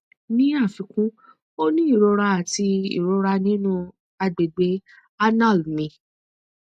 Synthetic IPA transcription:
nĩ˦a˦˨fĩ˧˦kũ˦ | o˦nĩ˦i˦˨ɾo˧ɾa˧a˨ti˧ḭ˨ɾo˨˧ɾa˧nĩ˦nũ˦ | a˧ɡ͡be˨ɡ͡be˧˦ | a˦na˦˨lmĩ˨˧˦

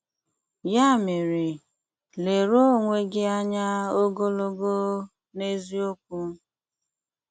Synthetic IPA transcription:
ja˦˨mɪ˨ɾɪ˨ | le˨ɾo˦˨ŋʷe˦ɡɪ˦a˦ɲa˦o˦ɡo˦lo˦ɡo˦ | ne˦zi˦o˦k̚ʷu˦

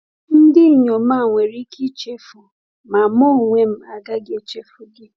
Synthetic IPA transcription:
n̩˦dɪ˦˨ɲo˨m̩˦a˦˨ŋʷe˨ɾi˦kʰi˦t͡ʃe˦fʊ˨ | ma˨mɔ˦˨ŋʷe˦m̩˦a˨ɡa˦ɡe˨t͡ʃe˦fʊ˦ɡɪ˦

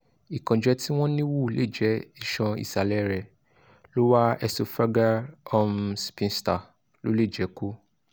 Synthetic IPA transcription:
i˨kã˨d͡ʒɛ˨˦ti˦w̃ɔ̃˦nĩ˦wu˦˨lʔe˦˨d͡ʒɛ˨˦i˦˨ʃɔ̃˧ḭ˨sa˨lɛ˨˦ɾɛ˨ | lo˦wa˦ɛ˧so˨fa˦ɡa˦ɔ˧mspĩ˧nsta˨ | lo˦le˦˨d͡ʒɛ˨˦ko˦

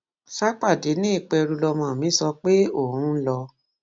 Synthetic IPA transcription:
ʃa˦k͡pa˦˨de˨˦nĩ˦i˦˨k͡pɛ˧ɾu˧lɔ˧mã˧˨mĩ˨˦sɔ˧k͡pe˦o˦˨hũ˨˦lɔ˧

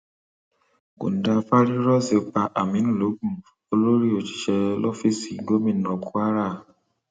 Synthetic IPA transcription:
ɡo̰˨n̩˨da˧fa˦ɾi˦ɾɔ˦se˨o˦pa˧ʔa˨mĩ˨˦nũ˦˨lo˨˦ɡũ˦˨ | o˧lo˦ɾi˦o˨t͡ʃi̥˨ʃɛ˧lo˦fi˦˨si˨ɡo˦mĩ˦˨nɔ̃˨ku˦a˦ɾa˦˨

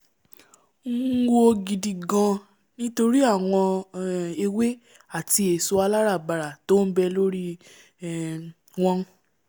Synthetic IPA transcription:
ŋ̩˦wo˦˧ɡi˨di˨ɡã˧ | nĩ˦to˧ɾi˦a˦˨w̃ɔ̃˧ | e˧we˦ | a˦˨ti˧e˨so˧a˧la˦ɾa˦˨ba˨ɾa˨to˦n̩˦bɛ˧lo˦ɾi˦˨ | w̃ɔ̃˦

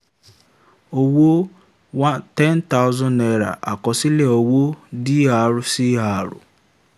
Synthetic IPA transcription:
o˨wo˦ | wa˦tɛ˦n˦ta˦ʊ˦zɔ̃˦ne˨ɾa̰˨ʔa˨kɔ˨sɪ˦le˦o˨wo˦dɪ˦ɦa˨ɾʊ˦sɪ˦ɦa˨ɾʊ̰˨

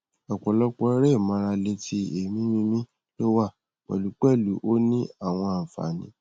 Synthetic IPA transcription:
ɔ˨k͡pɔ˨lɔ˦k͡pɔ˧˦ɾɛ˦˨mã˧ɾa˧le˧ti˧˦e˨mĩ˦mĩ˦mĩ˦ | lo˦wa˦˨ | k͡pɛ̰˨lu˨˦k͡pɛ˦˨lu˨˦ʔo˦nĩ˦a˦˨w̃ɔ̃˧a˨fa̰˨nĩ˨˦

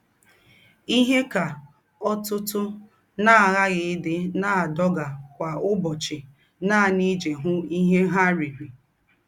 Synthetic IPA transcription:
i˦ɦe˦ka˨ | ɔ˦tʊ˦tʊ˦ | naː˦˨a˨ɣa˦ɣɪ˨ɪ˦dɪ˦na˦a˨dɔ˦ɡa˨kʷa˨ʊ˦bɔ˨t͡ʃɪ˨ | naː˦˨ni˦d͡ʒe˨ɦʊ˦i˦ɦe˦ɦa˦ɾi˨ɾi˨

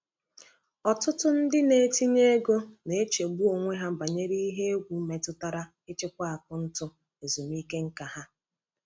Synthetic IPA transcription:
ɔ˨tʊ˦tʊ˦n̩˦dɪ˦ne˨e˦ti˦ɲe˦ɡo˦ne˨e˦t͡ʃe˨ɡ͡bu˦o˨ŋʷe˦ɦa˦˨ba˨ɲe˦ɾi˦i˦ɦe˦e˦ɡʷu˨˦me˨tʊ˦ta˦ɾa˦ | e˦t͡ʃe˦kʷa˦a˨k̚ʊ˨˦n̩˦tʊ˦ | e˨zu˨mi˦ke˦ŋ̩˦ka˨ɦa˦

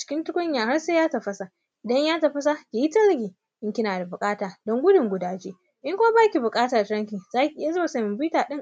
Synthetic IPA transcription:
t͡ʃɪ̥˨˦kʲɪ˦ntʊ˦kʷʊ˦ɲjaː˨ha˦ɽseː˦jaː˦tɐ˨ɸɐ˨sa˨ | ʔɪ˨dɐ˦ɲjaː˦tɐ˨ɸɐ˦s̬a˦kʲeː˨ji˦tɐ˦lɡʲiː˨ | ʔɪ˦ŋkʲɪ˦naː˨da˨bʊ˨kʼaː˦taː˨dɔ˦ŋɡʷʊ˦dʊ˨ŋɡʷʊ˨˦daː˨d͡ʒeː˦ | ʔɪ˦ŋkʷoː˦baː˦kʲi˨bʊ˨kʼaː˦taː˨tɾɐ˦ŋkʲɪ˨ŋzaː˦kʲi˨ʔɪ˦ja˦zo˦a˨sa˦mɪ˨mbi˦taː˨ɗɪ˦ŋ

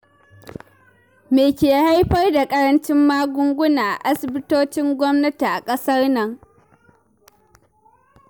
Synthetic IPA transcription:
meː˨kʲeː˨ha˦jɸɐ˦rda˨kʼɐ˦ɾɐ˦nt͡ʃɪ˦mːaː˦ɡʷʊ˦ŋɡʷʊ˦naː˨ʔa̰˨ʔa˦sɪ˨bɪ˦toː˦t͡ʃɪ˦ŋɡʷɔ˦mnɐ˦ti˨ʔa˨kʼɐ˦sɐ˦rnɐ˨ŋ

